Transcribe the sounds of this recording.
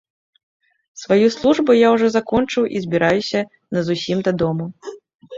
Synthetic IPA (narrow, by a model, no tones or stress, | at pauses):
svajuslˠuʐbujawʐɔzakɔnt͡ʂɨwʔizʲbʲiɾajusʲɐ | nɐzusʲimd̪ɐd̪ɔmu